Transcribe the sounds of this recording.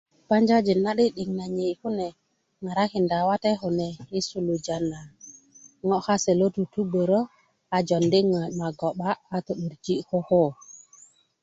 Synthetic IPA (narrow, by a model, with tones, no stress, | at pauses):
pa˦ɲd͡ʒa˦d͡ʒi˨na˦ɗi˦ɗi˨ŋna˨ɲe˨jhu˦nɛ˨ | ŋa˨ɾa˦ki˨nda˨wa˦tɛ˦ɦu˨nɛ˨i˦su˨lu˨d͡ʒa˨nːa˨ | ŋɔ˦xa˦sɛ˨lo˦tu˨tu˦be˨ɾɔ˦ | a˨d͡ʒɔ˨ndi˦ŋa˨ma˨ɡɔ˨ɓaː˦˨to˨ɗu˨ɾd͡ʒi˦kɔ˦ho˦